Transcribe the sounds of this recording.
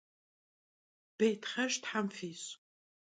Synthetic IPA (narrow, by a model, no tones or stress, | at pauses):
b̥ejtχɐʃtħamfiːs